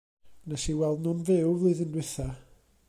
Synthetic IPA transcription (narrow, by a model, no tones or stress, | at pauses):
nasiwɛlˠdnʊnvɪwvlˠɨðɪndwɪθa